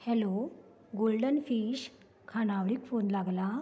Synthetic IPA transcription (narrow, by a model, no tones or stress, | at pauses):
hɛlo | ɡolɖənfiɕ | kʰañaʋɽiːkfonlaɡla